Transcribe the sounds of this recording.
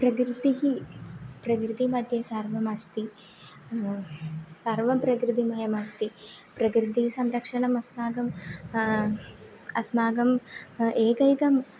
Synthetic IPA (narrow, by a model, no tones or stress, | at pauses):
pɾɐkɾɨt̪iɦipɾɐk̬ɾɨt̪imɐd̪ʱjɐsaːɾʋɐmɐst̪i | saːɾʋɐmpɾɐkɾɨt̪imɐjɐmɐst̪ipɾɐkɾɨt̪iisɐmɾɐkʂɐɳɐmɐsmaːɡɐm | ɐsmaːɡɐmeːkɐjk̪ɐm